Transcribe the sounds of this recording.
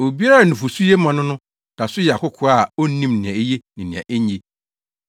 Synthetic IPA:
o˨bi˦a˦ɾa˦˨nɪ̃˨fu˨su˦je˦mã˨nʊ̃˦nʊ̃˦ | nã˨sʊ˦jɛ˨a˨kʊ˦kʰʊ˨˦a˦˨o˦nĩ˦mnɪ̃˨ã˨e˦je˦nɪ̃˨nɪ̃˨ã̰˨ʔe˦ɲ˦e˨

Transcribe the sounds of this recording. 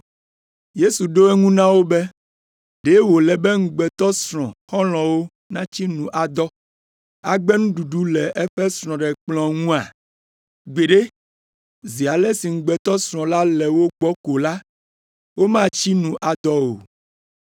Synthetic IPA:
je˦su˨ɖo˦ɛ˦ŋũ˦nã˦wo˦bɛ˦ | ɖe˨˦wo˨lɛ˨bɛ˦ŋ̩˨ɡ͡bɛ˨t̪ɔ˦sɾ̃ɔ̃˨xɔ̃˦l̃ɔ̃˨wo˦ | nã˦t͡ɕi˦nũ˨ʔa˨d̪ɔ˦ | a̰˨ɡ͡bɛ˦nũ˦ɖu˨ɖu˦lɛ˨ʔɛ˦ɸɛ˦sɾ̃ɔ̃˨ɖɛ˨k͡plɔ̃˦ŋũ˦a˨ | ɡ͡be˨ɖe˦ | zi˨a˨lɛ˦si˨ŋ̩˨ɡ͡bɛ˨t̪ɔ˦sɾ̃ɔ̃˨la˦lɛ˨wo˦k͡pɔ˦ko˨la˦ | wo˦mã˦t͡ɕi˦nũ˨ʔa˨d̪ɔ˦o̰˨

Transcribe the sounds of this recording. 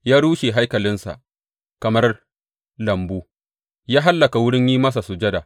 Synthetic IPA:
jaː˦ɽuː˦ʃe˨ɦa˦jkɐ˨lɪ˦nsa̰˨ʔ | kɐ˨mɐ˦r | lɐ˨mbuː˦ | jaː˦ɦa˦lːɐ˨ka˨wʊ˦ɽɪ˦ɲjiː˦mɐ˦s̬a˨su˨d͡ʒɐ˦da˨

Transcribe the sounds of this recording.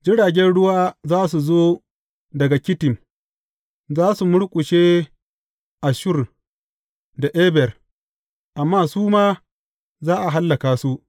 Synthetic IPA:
d͡ʒɪ˦ɽaː˨ɡʲɛ˦nɽʊ˦waː˦zaː˦s̬u˨zoː˦ | dɐ˨ɡa˨kʲɪ˦tɪ˨m | zaː˦su˨mʊ˦ɽkʷʼʊ˨ʃeː˦ | ʔa˨ʃʊ˦˨r | da˨ʔeː˦bɛ˨r | ʔa˨mːaː˦suː˦maː˦ | zaː˦ʔa˨ɦa˦lːɐ˨kaː˨su˦ʔ

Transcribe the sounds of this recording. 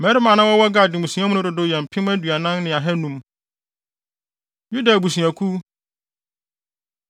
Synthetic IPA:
mɛ˨˦ɾɪ˦mã˨nã˦wɔ˦wɔ˦ɡa˨dɪ̃˨mũ˨sũ˨˦ã˦mʊ̃˦nʊ̃˦dʊ˨dʊ˨jɛ̃˨m̩˨pʰɪ̃˦mæ˦dɥa˨nã˦nnɪ̃˨a˨ɦɛ˦nũ˦m | ju˦da˨bu˨sũ˨æ˨kʰu˦

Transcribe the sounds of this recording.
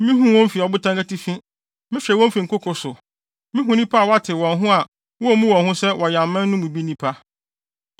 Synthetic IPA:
mĩ˦ɦũ˦wɔ̃˦m˦fi˨ɔ˨bʊ˦tʰã˦ŋkɛ˦ti˦fĩ˦ | mɪ̃˦fɛ˨wɔ̃˦m˦fi˨ŋ̩˨kʊ˦kʰʊ˨sʊ˨ | mɪ̃˦ɦũ˨nĩ˦pʰa˦a˨wa˦tʰɪ˨wɔ̃˨nɦʊ̃˦a˨ | wɔ˦ɔ˦˨mũ˦wɔ̃˨ɦʊ̃˦sɛ˦wʔɔ˨ja˨m̩˨mɛ̃˦nː˦ʊ̃˦mũ˨bi˦nĩ˦pʰa˦

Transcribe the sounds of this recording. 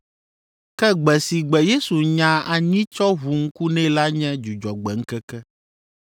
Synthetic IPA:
kɛ˦ɡ͡bɛ˨si˨ɡ͡bɛ˨je˦su˨ɲã˨a˨ɲĩ˦t͡ʃɔ˦ɦu˨ŋ̩˦ku˦nɛ̃˦la˦ɲɛ̃˦d͡ʒu˨d͡ʒɔ˨ɡ͡bɛ˨ŋ̩˦kɛ˦kɛ˦

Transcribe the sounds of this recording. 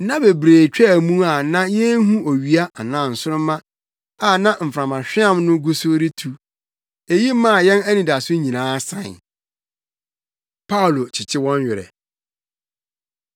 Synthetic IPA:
nã˦be˨bɾeː˨t͡ɕᶣɛ˦˨mũ˦a˨nã˦jɛ˦n˦ɦũ˦o˨ɥi˨a˦a˨nã˨n̩˨sʊ˦ɾʊ̃˦mːã˦ | a˨nã˦m̩˨fɾã˨mã˨ɕᶣɪ˦ã˦mnʊ̃˦ɡu˦so˦ɾi˦tʰu˨ | e˨ji˦mã˦˨jɛ̃˦næ˦nĩ˨da˨sʊ˦ɲĩ˨nãː˨˦sã̰˨n˨ | pʰa˦ʊ˨lo˨t͡ɕʰɪ˨t͡ɕʰɪ˦wɔ̃˦ɲ˦ɥɪ˨ɾɛ̰˨

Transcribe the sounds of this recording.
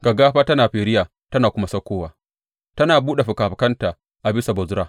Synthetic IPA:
ɡɐ˨ɡaː˦ɸaː˦tɐ˦naː˨ɸeː˨ɾɪ˦jaː˨ | tɐ˦naː˨kʷʊ˦ma˦sɐ˦kʷːoː˦waː˨ | tɐ˦naː˨buː˦ɗe˨ɸʊ˨kaː˨ɸɪ˨kɐ˦ntaː˨ | ʔa˨bɪ˦sa˨bɐ˨zʊ˦ɾaː˦

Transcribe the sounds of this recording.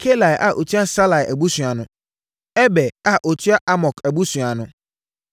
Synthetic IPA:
kʰe˦la˨jʔa˨ʔo˨tʰi˦a˦sa˦la˨jʔæ˨bu˦sũ˨a˨nʊ̃˨ | ɛ˦bɛ˨a˦ʔo˨tʰi˦a˦ʔa˦mɔ˨kɛ˨bu˦sũ˨a˨nʊ̃˨

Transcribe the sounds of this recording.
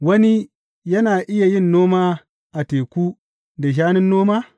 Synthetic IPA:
wɐ˦ni˦ | jɐ˦naː˨ʔɪ˦ja˨jɪ˦nːoː˦maː˦ | ʔa˨teː˨kʷu˦ | da˨ʃ̬aː˦nɪ˦nːoː˦maː˦

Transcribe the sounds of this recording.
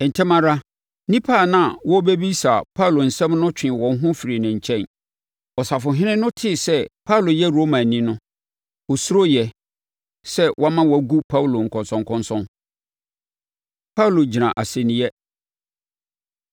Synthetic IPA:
ɛ˨n̩˨tʰɪ˦mã˦ɾa˦ | nĩ˦pʰa˦˨nã˦˨wɔ˦be˦bi˦sa˨pʰa˦wlo˨n̩˨sɛ̃˦mnʊ̃˦t͡ɕᶣɪ̃˨wɔ̃˨n˦ɦʊ̃˦fi˨ɾi˨nɪ̃˨ɲ̩˨t͡ɕʰɛ̃˦˨n | ɔ˨sa˨fʊ˨ɦɪ̃˦nɪ̃˦nʊ̃˦tʰɪ˦˨sɛ˦pʰa˦wlo˨jɛ˦ɾo˦mã˨nĩ˦nʊ̃˦ | ɔ˨su˦ɾo˦jɛ˨ | sɛ˦wʔɔ˦mã˦wɔ˨ɡu˦pʰa˦wu˨lo˨ŋ̩˨kʰɔ̃˨nsɔ̃˨ŋkʰɔ̃˦nsɔ̃˦n | pʰa˦u˨lo˨d͡ʑi˨nã˨ʔa˨sɛ˨nɪ̃˨˦jɛ˦

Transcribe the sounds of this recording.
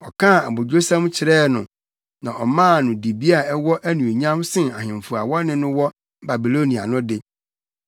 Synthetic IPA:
ɔ˨kʰã˦˨a˨bo˨d͡ʑᶣo˦sã˦m˦t͡ɕʰɪ˨ɾɛː˦nʊ̃˨ | nã˨ʔɔ˨mãː˦˨nʊ̃˨di˨bi˦a˨ɛ˦wɔ˦ʔæ˦nũ˨o˨ɲã˦msɪ̃˦˨na˨ɦɪ̃˨ɱ˨fu˨a˨wɔ˦nɪ̃˦nʊ̃˦wɔ˦ | ba˨bi˨lo˦nĩ˨a̰˨nʊ̃˦dɪ˨

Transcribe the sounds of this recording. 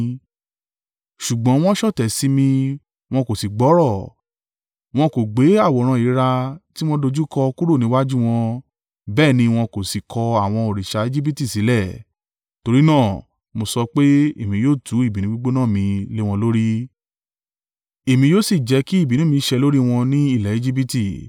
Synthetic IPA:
ʃu˨ɡ͡bɔ̃˨˦w̃ɔ̃˦ʃɔ˦˨tɛ˨si˨˦mĩ˧ | w̃ɔ̃˧ko˨si˨ɡ͡bɔ˨˦ɾɔ˦˨ | w̃ɔ̃˧ko˨ɡ͡be˨˦a˦˨wɔ˨ɾ̃ã˧i˨˦ɾa˧ti˦w̃ɔ̃˦do˧d͡ʒu˦kɔ˧ku˦ɾo˦˨nĩ˨˦wa˦d͡ʒũ˦w̃ɔ̃˧ | bɛː˦˨nĩ˧w̃ɔ̃˧ko˨si˨kʰɔ˧a˨w̃ɔ̃˧o˨ɾi˨ʃa˧e˦d͡ʒi˦p̬i˦ti˦˨si˨˦lɛ˦˨ | to˧ɾi˦nãː˦˨ | mo˧sɔ˧k͡pe˦e˦˨mĩ˧joː˦˨tʰu˨˦i˦˨bi˨nĩ˦ɡ͡bu˦ɡ͡bo˦nã˦˨mĩ˧le˦w̃ɔ̃˧lo˦ɾi˦ | e˨mĩ˧joː˦si˦˨d͡ʒɛ˨˧ki˦i˦˨bi˨nũ˦mĩ˧ʃɛ˧lo˦ɾi˦w̃ɔ̃˧nĩ˦i˦˨lɛ˨e˦d͡ʒi˦p̬i˦ti˦˨

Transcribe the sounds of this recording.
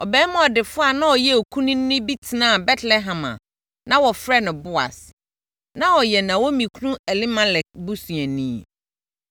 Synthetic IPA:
ɔ˨bɛː˨˦mã˦ɔ˨dɪ˨fʊ˦a˦˨nã˦wɔ˨jɛ˦o˨kʰũ˦nĩ˦n˦nʊ̃˦bi˦tʰɪ˨nã˦˨bɛ˦tʰlɛ˦ɦã˨mã̰˨ | nã˦wɔ˨fɾɛ˦nʊ̃˨bʊ˦a̰˨s | nã˦wɔ˨jɛ˨nã˨wɔ˦mĩ˨kʰu˦nũ˦ɛ˨li˦mã˦lɛ˨k̚bu˦sũ˨ɛ˨nĩ˦˨

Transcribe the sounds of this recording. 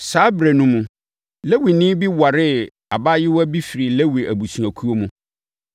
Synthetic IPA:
saː˨˦bɾe˨nũ˦mũ˨ | le˦wi˨nɪ̃˦bi˦wa˨ɾɪ˦ | a˨ba˦jɪ˦wɔ˦bi˦fi˨ɾi˨le˦wi˨ʔæ˨bu˨sũ˨æ˨kʰu˦o˦mũ˦

